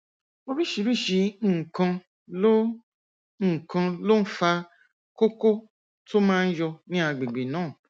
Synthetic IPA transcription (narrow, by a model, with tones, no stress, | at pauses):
o˧ɾi˦˨ʃi˧˦ɾi˦˨ʃi˨˧n̩˦˨kã˧ | lo˦ | n̩˦˨kã˧lo˦n̩˦fa˧ | ko˦ko˦ | to˦mãː˦n̩˦jɔ˧nĩ˦a˧ɡ͡be˨ɡ͡be˨nãː˨˦˨